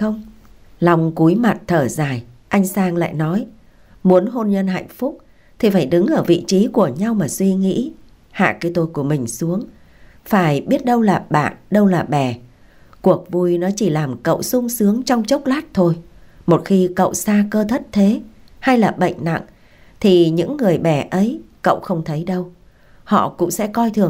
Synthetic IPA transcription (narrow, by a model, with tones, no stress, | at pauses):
xə˧wŋ͡m | lɔ˧wŋ͡mku˨˦jma˨˩t̚t̪ʰəː˧˩zaː˨˩jʔa˧jŋ̟saː˧ŋla̰ː˧˨jnɔ˨˦j | mu˨˦ənɦo˧nɲə˧nha̰˧˨jŋ̟fʊ˦˥k͡p̚ | t̪ʰi˨˩faː˧˩jɗɨ˨˦ŋʔəː˧˩vḭ˧˨t͡ɕi˨˦ku˧˩əɲa˧wmaː˨˩swi˧ŋḭ˧˥ | ha̰ː˧˨kaː˨˦jt̪o˨˧jku˧˩əmï˨˩ŋ̟su˨˦əŋ | faː˧˩jɓi˦˥ət̚ɗə˧wlaː˨˩ɓa̰ː˧˨nɗə˧wlaː˨˩ɓɛ˨˩ | ku˨˩ək̚vu˧˩jnɔ˨˦t͡ɕi˧˩laː˨˩mkə̰˧˨wsʊ˧ŋ͡msɨ˨˦əŋt͡ɕɔ˧wŋ͡mt͡ɕə˦˥wk͡p̚laː˦˥t̚t̪ʰo˧jmo˨˩t̚xi˧kə̰˧˨wsaː˧kəː˧t̪ʰə˦˥t̚t̪ʰe˨˦ha˧jlaː˨˩ɓə̰˧˨jŋ̟na̰˧˨ŋ | t̪ʰi˨˩ɲɨ̰˧˥ŋːɨ˨˩əjɓɛ˧˩ʔə˨˦jkə̰˧˨wxə˧wŋ͡mt̪ʰə˨˦jɗə˧w | hɔ̰˧˨kʊ̰˧˥ŋ͡msɛ̰˧˥kɔ˧jt̪ʰɨ˨˩ə